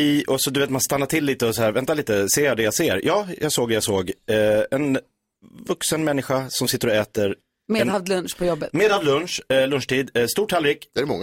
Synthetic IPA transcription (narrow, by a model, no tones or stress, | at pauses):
iʔɔsɔd̪ɵʏveːt̪manst̪anːaʈ̪ʰɪlːiːt̪əɔsɔhæːɾvɛnt̪aliːt̪əseːad̪ɛjaseːɾjɑːjɑ̰ɡsoːɡd̪ɛjasoːɡɛn | vɵksənmɛnːɪɧasɔmsɪt̪ːəɾɔɛːt̪əɾ | meːd̪havd̪lɵnʂpʰɔjɔbːət̪meːd̪havd̪lɵnʂlɵnʂʈʰiːd̪st̪uːʈʰːalɾɪkd̪ɛæɾmɔŋːa